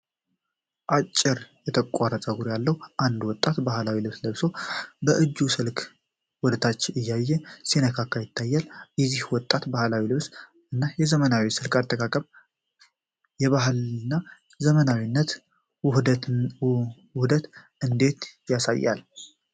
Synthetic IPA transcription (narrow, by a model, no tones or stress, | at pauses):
ʔat͡ʃʼːɪɾjɛt̪ʰəkʼaɾət̪ʼəɡuɾjalːəhuʔand̪wɔt̪ʼːat̪bahlawilɨβsləβso̞bəʔɨd͡ʒːusɨlkʰ | wɔd̪ət̪ʰat͡ʃːʔɪjːajːɛsinəkʰakʰːəjɪt̪ʰːajːaljɛzihwɔt̪ʼːat̪bahlawilɨβs | ʔɨnːajɛzəmənawisɨlkʼat̪ʼːəkʼakʼəβ | jɛβaɦlnːa | zəmənawinːət̪ | whd̪ət̪ | ɨnd̪e̞t̪jasa̰jːa̰l